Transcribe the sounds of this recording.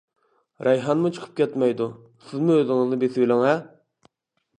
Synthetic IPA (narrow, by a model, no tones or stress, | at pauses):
ɾɑjɦɑnmut͡ʃʰə̥qʰə̥p̚kʲʰɛt̪mɛjd̪u | sɪzmuøzɪŋɨznɨbesɪbɪlɪŋɛ